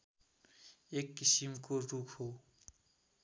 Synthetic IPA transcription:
ekːisimkorukʰɦo

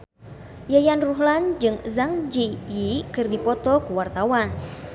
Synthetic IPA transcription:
jajanruɦland͡ʒɨŋzaŋd͡ʒijikɨrdipɔt̪ɔkəwart̪awan

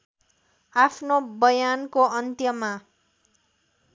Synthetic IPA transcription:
apʰnobʌjankoʌnt̪jʌma

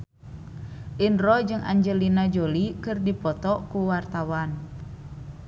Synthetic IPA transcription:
ʔinrɔd͡ʒɨŋʔa̰ɲd͡ʒəlinad͡ʒolikɨrdipɔt̪ɔkuwart̪awan

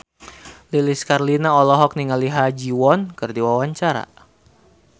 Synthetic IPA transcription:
liliskarlinaɔlɔɦɔk̚niŋaliɦad͡ʒiwɔnkɨrdiwawaɲt͡ʃaɾa̰

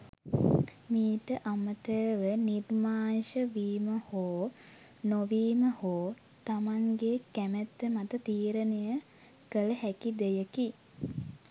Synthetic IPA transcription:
miːʈəʔamət̪əːʋənirmaːnʃəʋiːməhoː | noʋiːməhoː | t̪amaŋɡekæmet̪ːəmat̪ət̪iːɾənejə | kələɦækid̪ejəki

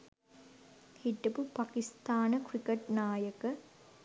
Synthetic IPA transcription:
hiʈːɐpupakist̪aːnəkrikəʈnaːjəkə

